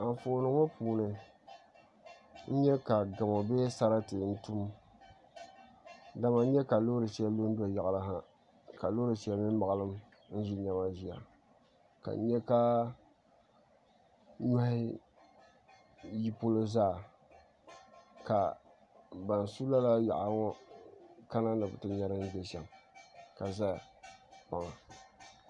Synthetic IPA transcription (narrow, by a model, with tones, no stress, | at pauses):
a˨fo˨˦nɨ˨˦ŋɔ˦puː˨nɨ˨ | n̩˦ɲɛ˦ka˨ɡa˨mo˨beː˦sa˦ɾa˦tɨ˨n̩˦tu˦m | da˨ma˨n˦ɲɛ˦ka˨lo˦ɾɨ˨ʃi˦a˦lo˦n˦do˨ja˨la˦ɦa˦ | ka˨lo˦ɾɨ˨ʃi˦a˦˨mɪ˦m˦ma˨a˦lɨ˦m | n̩˦ʒɪ˦ɲa˨ma˦ʒi˨a̰˨ | ka̰˨n˦ɲɛ˦ka˦ | na˦hɪ˦ | ji˦po˦lɨ˦zaː˦˨ | ka˨ | ba˨n˨su˦la˦la˦ja̰˨ʔa˨ŋɔ˦ | ka˦na˦nɨ˨bɨ˨tɨ˨ɲɛ˦ɾɨ˦n̩˦bɛ˨ʃɛ˨mka˨za˦˨pa˨ŋa˨